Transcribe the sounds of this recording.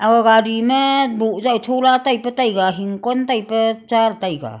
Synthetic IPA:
aɡaɡadimɐbuʔzatʰɔlatajpətajɡaɦiŋkɔntajpət͡ʃaɾtajɡa̰

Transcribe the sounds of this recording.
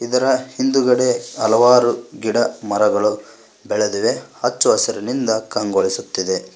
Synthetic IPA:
id̪ɐɾɐhind̪uɡɐɽe̞ɐlɐʋaːɾuɡiɽɐmɐɾɐɡɐɭu | bɛɭed̪uʋe̞hɐt͡ʃːuɦɐsɐɾɐnind̪ɐkɐŋɡoɭisut̪ːid̪e̞

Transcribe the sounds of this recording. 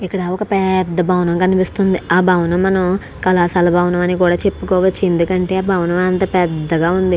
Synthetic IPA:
ikːɐɽaːɔkɐpɛd̪ːɐbʱɐwnɐmkɐnipist̪und̪iaːbʱɐwnɐmːɐnɐm | kɐlaːsaːlɐbʱɐwnɐmɐnikuːɽaːt͡ʃe̞pːukɔːʋɐt͡ʃːiend̪ukɐɳʈe̞ːaːbʱɐwnɐmɐnt̪ɐpɛd̪ːɐɡaːund̪i

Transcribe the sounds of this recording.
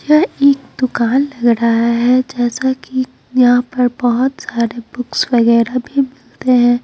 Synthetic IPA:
jaeːkd̪̥ʊkaːnlɐɡɾaɦaɦɛd͡ʒɛːsaki | jɐɦãpɐɾbɔɦʊt̪saːɾebʊksʋɐɣɛːɾabʱimɪlt̪eɦɛ̃ː

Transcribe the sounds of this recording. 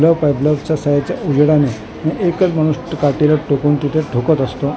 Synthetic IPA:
ləpajbləʋt͡ɕasajat͡ɕjaʔud͡ʑɽane | mẽʔekət͡sməɽ̃usʈkaʈelaʈokuːnt̪it̪ʰeʈokət̪əst̪o

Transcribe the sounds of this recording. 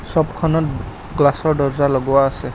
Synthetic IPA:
sɔbkʰɔnɔt | ɡlasɔɹɖɔɹzalɔɡʊwaːsɛ

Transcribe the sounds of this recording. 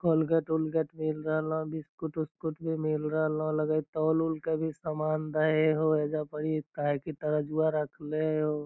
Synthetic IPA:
kolɡeʈʊlɡeʈmɪlɾəɦl̃bʱiskʊʈʊskʊʈbʱimɪlɾəɦlõləɡəit̪ɔːlʊlkebʱisamaːnd̪əɦeɦoeːd͡ʒapəɽit̪aɦɛkit̪əɾəd͡ʒuaɾəkʰleɦo

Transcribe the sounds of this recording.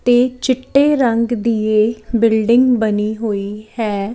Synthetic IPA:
t̪eːt͡ʃɪʈːeːɾəŋɡd̪iːeːbɪlɖɪŋɡbəniːɦoːiːhɛː

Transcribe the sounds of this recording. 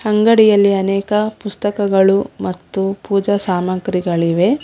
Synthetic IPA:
hɐŋɡɐɽijɐlːiɐnɛːkɐpust̪ɐkɐɡɐɭumɐt̪ːupuːd͡ʒɐsaːmɐŋkɾiɡɐɭiʋe̞

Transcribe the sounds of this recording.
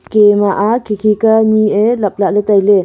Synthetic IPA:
kemaʔakʰikʰikanielɐp̚laʔletajle

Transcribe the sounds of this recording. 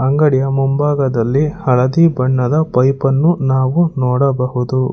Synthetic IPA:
ɐŋɡɐɽijɐmumbaːɡɐd̪ɐlːihɐɭɐd̪iːbɐɳːɐd̪ɐpɐjpɐnːunaːʋunɔːɽɐbɐhud̪u

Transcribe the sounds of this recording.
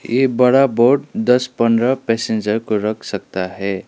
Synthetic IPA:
jebəɽaboɾɖd̪ʌspənɾʌpɛsẽnd͡ʒəɾkoɾəkʰsək̚t̪aɦɛ

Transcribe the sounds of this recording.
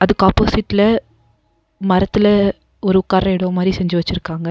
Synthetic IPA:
ɐðɯkːɯaːpːoːsɪʈːɪlɐ | mɐɾɐt̪ːɪlɐ | ɔɾɯkːaːɾɐɪɽomaːd̪ɾisɛɲd͡ʒɯʋɐt͡ʃːɪɾɯkːaːŋɡɐ

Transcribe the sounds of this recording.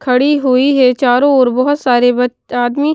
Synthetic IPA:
kʰɐɽiɦʊiɦɛt͡ʃaːɾõɔːɾbɔɦʊt̪saːɾebɐ | aːd̪mi

